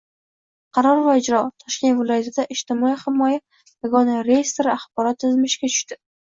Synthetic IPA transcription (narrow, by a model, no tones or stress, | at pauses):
qʰɑɾɒɾvaɪd͡ʒɾɒt̪ʰɒʃkʲe̞nt̪vɪlˠɒjat̪ʰɪd̪aʔɪʃt̪ɪmɒihɪmɒja | jaɡɒnaɾejɪst̪ɾɪaχb̥ɒɾɒt̪ːɪzmɪʃkʲat͡ʃʰʊ̥ʃt̪ɪ